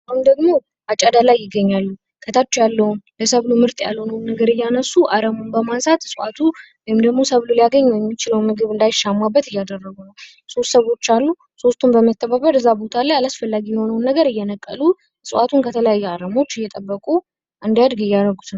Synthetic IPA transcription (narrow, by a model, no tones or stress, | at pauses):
ʔahund̪əɡmo̞ | at͡ʃʼːad̪alajːɪɡːəɲːalːu | kʰət̪ʰat͡ʃːujalːəhumləsəβlumɨɾt̪ʼja̰lho̞nəwnːəɡəɾɨjːanəsːuʔaɾəmumbəmansat̪sʼʔat̪ʰu | wɔjɪmd̪əɡmo̞səβlulijaɡəɲːɛjɛmːit͡ʃɪləwmːɨɡɨβɨnd̪ajʃːamːabːət̪ɨjːad̪ərːəɡunəw | so̞st̪səβo̞t͡ʃːalːu | so̞st̪ʰumbəmət̪ʰːəβaβəɾɨzːabo̞t̪ʰalːajalasfəlːaɡijɛho̞nəwnːəɡəɾɨjːɛnəkʼːə̰lu | sʼʔat̪ʰunkʰət̪ʰələjajːɛaɾəmo̞t͡ʃːɪjːɛt̪ʼəbːəkʼu | ʔɨnd̪ijad̪ɡɨjːaɾəɡut̪ʰn